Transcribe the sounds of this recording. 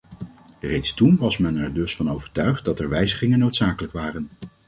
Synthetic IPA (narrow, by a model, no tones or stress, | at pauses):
rejtstunʋɑsmɛnɛɹdɵsfɑnowvəɹtœɥχt̚dɑtɛɹʋɛjzəχɪŋənːowtsaːkələkʋaːrən